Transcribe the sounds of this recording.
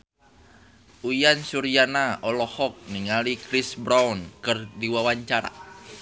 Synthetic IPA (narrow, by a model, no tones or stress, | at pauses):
ujansuɾianaɔlɔhɔk̚niŋalikɾisbɾaunkɨrdiwawaɲt͡ʃaɾa̰